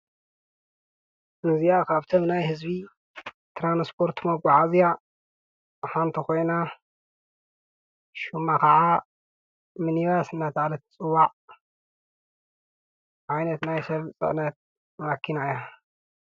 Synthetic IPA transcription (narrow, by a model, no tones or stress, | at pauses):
ʔɨzijakʰaβt̪ʰomnajhɨzbi | t̪ʰɾanspʰo̞ɾt̪ʰmɐɡʷaʕazija | ħant̪ʰiko̞jna | ʃumːakʰɐʕa | mɨniβasɨnːat̪ʰʕalɐt̪t͡sʼɨwaʕ | ʔajnɐt̪najsɐβt͡sʼɨ̰ʕnɐt̪̚ | makʰːinaja